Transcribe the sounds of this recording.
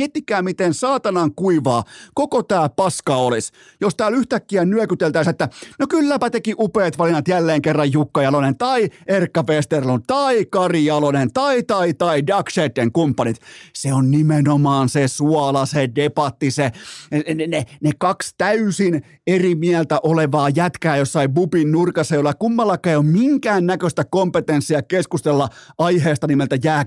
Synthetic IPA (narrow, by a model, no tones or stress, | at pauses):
iet̪ːikːˑæːmit̪ensɑːt̪ɑnɑŋkuiʋɑːkokot̪æːpɑskɑolis | jost̪æːlyht̪ækːiænnyøkyt̪elt̪æiset̪ːænokylːæpæt̪ekiʔupeːt̪ʋɑlinːɑt̪jælːeːŋkerːɑjjukːɑjɑlonent̪ɑierkːɑfest̪erlunt̪ɑikɑrijɑlonent̪ɑit̪ɑit̪ɑidɑkset̪ːeŋkumpːɑnit̪seonnimenomɑːnsesuɑlɑsedepɑt̪ːise | nenekɑkst̪æysin | erimiælt̪æʔoleʋɑːjæt̪kæːjosːɑibupinnurkɑsːɑjolːɑkumːɑlːɑkːˑæiommiŋkæːnnækøst̪ækompet̪ensːiɑkeskust̪elːɑʔɑiheːst̪ɑnimelt̪æjæː